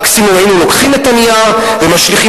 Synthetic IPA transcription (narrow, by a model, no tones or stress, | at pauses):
ksimumainulo̞kχimet̪aniaʁ | vemaʃliχi